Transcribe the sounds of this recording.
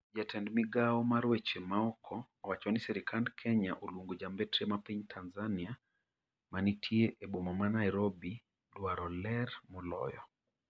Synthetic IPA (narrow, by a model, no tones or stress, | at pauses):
d͡ʒatʰɛndmiɡaɔmaɾwet͡ʃemaɔkʰɔ | wat͡ʃɔnisɛɾikʰandkʰɛɲaʔolwoŋɡod͡ʒambetɾemapiɲtʰanzania | manitʰjeʔeɓomɔmanajɾobi | dwaɾɔlɛrmɔlɔ̰jɔ